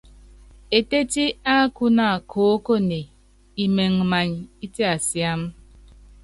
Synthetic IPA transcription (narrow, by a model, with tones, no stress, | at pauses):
e˨te˦ti˦a˦ku˦na˦˨kʰo˨˦ko˦ne˨ | i˨me˨ŋ˨ma˨ɲ˨i˦te˦a˨sja˦m̩˦